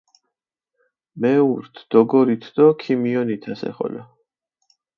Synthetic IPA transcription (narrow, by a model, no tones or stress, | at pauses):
mɛuɾt̪ʰd̪̥ɔɡɔɾit̪ʰd̪̥ɔkʰimiɔnit̪ʰasɛ̰χɔ̰la